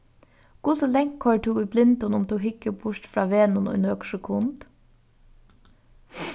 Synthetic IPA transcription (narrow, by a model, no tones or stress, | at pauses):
kʊsəlɛŋkʰhɔt̪ʰuʊblɪnt̪ʊnʊmt̪ʰuɦɪkːəbʊɹt̪fɾɑːʋeːnʊnɔ̰ʏnøːkʃəkʰʊnt̪